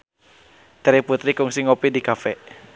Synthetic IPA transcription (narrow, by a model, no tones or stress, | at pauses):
t̪ɛɾiput̪ɾikuŋsiŋopidikafɛ